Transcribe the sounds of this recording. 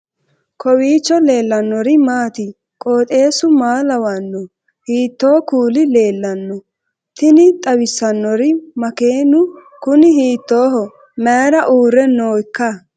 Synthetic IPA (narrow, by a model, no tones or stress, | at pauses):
kʰɔwiːt͡ʃːɔle̞ːlːɐnːɔɾɪmaːt̪ɪ | kʼoːt̪ʼe̞ːsʊmaːlɐwɐnːɔ | hiːt̪ːoːkuːlɪle̞ːlːɐnːɔ | t̪ɪnɪt̪ʼɐwɪsɐnːɔɾɪmɐkeːnʊ | kʊnɪɦiːt̪ːo̞ːɦɔ | mɛːɾɐʔuːɾɛno̞ːkːɐ